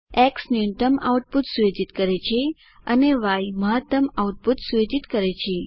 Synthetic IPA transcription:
ɛksniunʈ̪əma̰wʈ̚put̪sujed͡ʒit̪kəɾet͡ʃʰe | əneʋajməɦət̪ːəmawʈ̚put̪sujed͡ʒit̪kəɾet͡ʃʰe

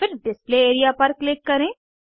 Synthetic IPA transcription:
fɪɾɖɪspleeːɾijapɐɾklɪkːɐɾẽː

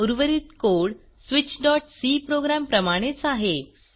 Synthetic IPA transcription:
uɾʋəɾit̪koɭ | sʋit͡ɕɖɔʈsipɾoɡɾampɾəmaɽ̃et͡saɦe

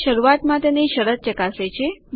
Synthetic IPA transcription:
ʃəɾuat̪mãt̪ẽneʃəɾət̪̚t͡ʃəkaset͡ʃʰe

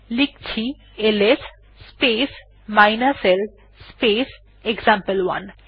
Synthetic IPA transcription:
lik̚t͡ɕʰi | eles | spes | majnasel | spes | ekzampelwa̰n

